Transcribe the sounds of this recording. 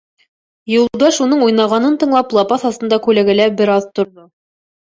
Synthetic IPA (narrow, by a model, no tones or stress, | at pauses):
jŭlˠd̪ɑʃunɤɴujnɑʁɑnɤnt̪ɤ̆ɴlˠɑplˠɑpɑθɑst̪ɤ̆nd̪ɑkʉlæɡæ̆læbɘɾɑðt̪ŏɾðo